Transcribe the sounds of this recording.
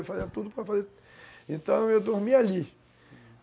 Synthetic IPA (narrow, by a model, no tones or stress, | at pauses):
wfaziɐt̪ud̪ʊpɾɐfaze | ẽnt̪ɐ̃w̃ewd̪oɾmiali